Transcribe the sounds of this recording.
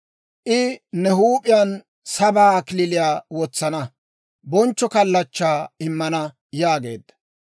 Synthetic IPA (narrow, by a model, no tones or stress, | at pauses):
ʔɪnɛhuːpʼɪjan | sɐbaːkɪlɪlɪjaːwɔt͡sːɐnɐ | bɔnt͡ʃːɔkɐlːɐt͡ʃːaːɪmːɐnɐ | jaːɡe̞̰ːd̪ːɐ̥